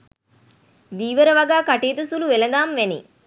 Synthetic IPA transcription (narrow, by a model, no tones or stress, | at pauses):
d̪iːʋɐɾɐʋɐɡaːkɐʈeːt̪usuluʋɛlɐd̪aːmʋenḭ